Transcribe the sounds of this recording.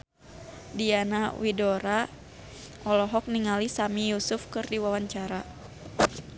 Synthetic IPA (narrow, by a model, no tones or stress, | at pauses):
dianawidɔɾa | ɔlɔɦɔk̚niŋalisamijusufkɨrdiwawaɲt͡ʃaɾa